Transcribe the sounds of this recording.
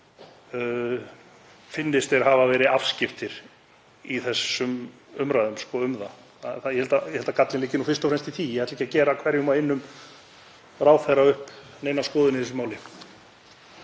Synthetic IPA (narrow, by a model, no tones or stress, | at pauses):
fɪnːɪst̪ɛɾhavavɛːɾɪafscɪft̪ɪɾ̥ | iθɛsːʏm | ʏmɾaːðʏmskɔʏmða | θaθajɛhɛlt̪ajɛhɛlt̪akat̪lɪnɪːcɪnufɪ̥st̪ɔfɾɛnst̪iθijɛhajt̪ɛjcːacɛːɾakʰvɛɾjʏʏmaɪnːʏm | raːwθɛɾaʏhp | nejnaskɔːðɪnɪθɛs̬ʏmaːwlɪ